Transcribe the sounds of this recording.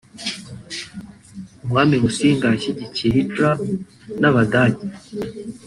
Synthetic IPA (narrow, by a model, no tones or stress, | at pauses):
umŋaːmimusiːŋɡaʃiɟiciɦitɾa | naβadaɟi